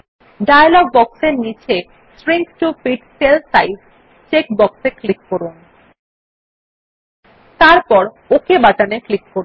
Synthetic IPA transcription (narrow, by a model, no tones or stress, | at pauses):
ɖajalɔɡ̚bɔkseɾnit͡ɕʰe | spɾiŋkʈufiʈselsajz | t͡ɕek̚bɔkseklikːoɾun | t̪aɾpɔɾ | okʰebaʈaneklikːo